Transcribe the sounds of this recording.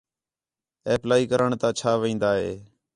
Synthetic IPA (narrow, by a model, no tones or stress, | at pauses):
eːplaːiːkəɾəɳt̪ãːt͡ʃʰaːʋĩːnd̪aːɦḛː